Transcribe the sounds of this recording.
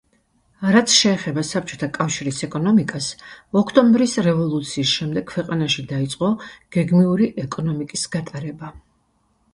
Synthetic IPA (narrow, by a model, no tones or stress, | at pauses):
ɾat̪sʰʃɛːχɛbasap̚t͡ʃʼɔ̥t̪ʰakʼafʃiɾisɛkʼɔnɔmikʼasɔkʰt̪ʼɔmbɾisɾɛvɔlˠut̪sʰiːsʃɛmd̪ɛɡ̚ʰwɛqʼanaʃid̪ait̪sʼqʼɔɡ̥ɛɡmiuɾiʔɛkʼɔnɔmikʼisɡ̥at̪ʼaɾɛba